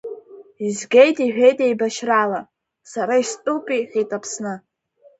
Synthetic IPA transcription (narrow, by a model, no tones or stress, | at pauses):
izɡʲejtʼiħᶣe̞jtʼe̞jbaʃrala | saɾaistʼupʼiχʲitʼapʰsnɨ